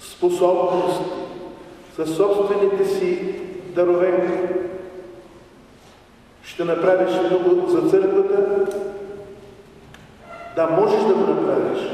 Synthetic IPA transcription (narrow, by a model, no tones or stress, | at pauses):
sposɔbnost̪isɐsːɔpst̪vɛnit̪ɛsid̪ɐɾovɛni | ʃt̪ɛnɐpɾaviʃt̪ɔɡozɐt̪sɤɾkvət̪ə | d̪ɐmɔʒɛʃd̪ɐɡonɐpɾavʲiʃ